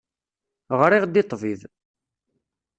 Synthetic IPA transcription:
ʁɾɪʁd̪it̪ˤːvið

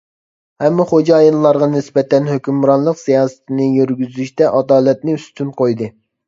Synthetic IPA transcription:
hɛmːɪχod͡ʒɑːjɨlˠlːˠɑɾʁɑnɪsbɛt̪ɛnhøkʲymɾɑnlˠəqsijɑːsɨ̥t̪ʰɪnɪjyɾɡʲyzyʃt̪ɛʔɑd̪ɑːlɛt̪̚nɪyst̪ʰynqʰojd̪ɨ

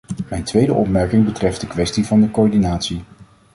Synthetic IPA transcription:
mɛjntʋejdəʔɔpmɛɹkɪŋbətrɛfd̚dəkʋɛstivɑndəkoːɹdinaːtsi

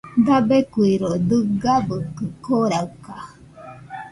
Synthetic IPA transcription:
dabekuiɾod̪ɨɡabəkɯkoɾawka

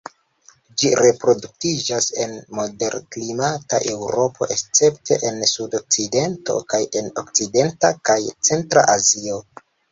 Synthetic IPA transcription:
d͡ʒiɾe̞pɾo̞duk̚tid͡ʒase̞nmo̞de̞ɾklimataʔe̞wɾo̞pʰo̞̰ʔe̞st͡se̞ptʰe̞ʔe̞nsudo̞k̚t͡side̞nto̞̰kaje̞no̞̰k̚t͡side̞ntakajt͡se̞ntɾa̰ʔazio̞

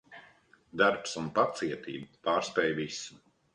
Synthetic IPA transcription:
d̪aɾpsunpat̪siɛt̪ḭːbpaːɾspɛjvisu̥

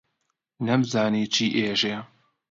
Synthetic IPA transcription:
nɛmzaːniːt͡ʃʰiːʔeːʒe

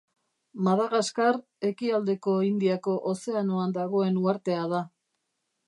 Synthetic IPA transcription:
maðaɣaskaɾ | e̞kiald̪e̞ko̞ind̪iako̞ʔose̞anoand̪aɣ̞o̞e̞nuaɾt̪e̞að̞a

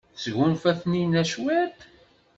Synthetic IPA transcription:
sʝunfæθninæʃwæt̪

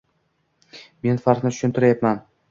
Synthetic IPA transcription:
me̞nfaɾnɪt̪ʰʊ̥ʃʊnt̪ʰɪɾajapman

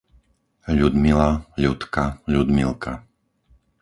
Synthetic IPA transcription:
ʎud̪milaʎut̪kaʎud̪milkʰa

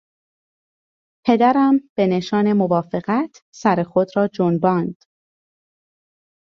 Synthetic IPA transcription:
pʰe̞d̪æɾæmb̥e̞ne̞ʃɒːne̞movɒːfe̞ɣæt̪ʰsæɾexod̪ɾɒːd͡ʒonbɒːnd̪̥

